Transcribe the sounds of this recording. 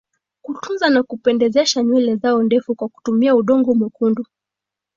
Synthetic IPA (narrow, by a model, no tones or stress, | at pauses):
kutunzanakupɛndɛzɛʃaɲwɛlɛzaɔndɛfukwaku̥tumiauɗɔŋɡɔmɔkundu